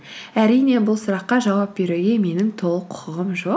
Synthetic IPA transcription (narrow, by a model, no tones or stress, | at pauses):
æɾijne̞bʊlˠsəɾɑqːɑʒɑwɑp̚be̞ɾeɡʲe̞me̞nɪŋt̪ʰo̞lˠəqʰʊ̥qəʁəmʒo̞q